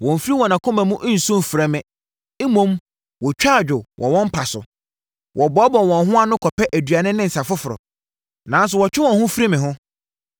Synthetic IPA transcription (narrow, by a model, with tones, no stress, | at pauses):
wɔ̃˨m̩˨fi˦ɾi˦wɔ̃˨nã˨kʰʊ̃˦mæ̃˨mʊ̃˦ʔn̩˨sʊ̃˦m˨fɾa˦mɪ̃˦ | e˦mõ˦m | wɔ˨t͡ɕᶣaː˦˨d͡ʑᶣʊ˨wʔɔ̰̃˨wɔ̃˦m̩˦pʰa˨sʊ̰˨ | wʔɔ˨bɔ˦bɔ̃˨wɔ̃˨nɦʊ̃˦a˨nʊ̃˦kʰɔ˨pɛ˦ʔæ˨dɥa˨nʊ̃˦nɪ̃˦n̩˨sa˨fʊ˦fʊ˨ɾɔ̰˨ | nã˨n˦s̬ʊ˨wɔ˨t͡ɕᶣɪ˦wɔ̃˨nhʊ̃˦fi˦ɾi˦mɪ̃˨ɦʊ̃˦